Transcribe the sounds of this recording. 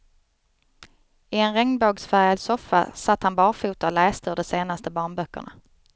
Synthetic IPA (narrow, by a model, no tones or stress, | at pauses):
ɪɛnɾɛŋnboːɡsfæɾjad̪sɔfːa̰sat̪ːhanbɑːɾfuːt̪ɔlɛːst̪əɵɖɔseːnast̪əbɑːɳbœkːə̰ɳa̰